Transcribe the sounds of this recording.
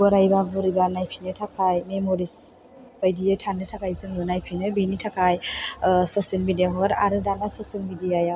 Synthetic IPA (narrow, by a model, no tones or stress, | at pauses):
ɔɾajbabɯɾibanajpʰinɯtʰakʰajmemɔɾis | bajdijajtʰanɯtʰakajzɯŋɯnajpʰinɯbinitʰakajsɔselmidijaɦɔɡaɾa̰ɾɯdanasɔselmidijaja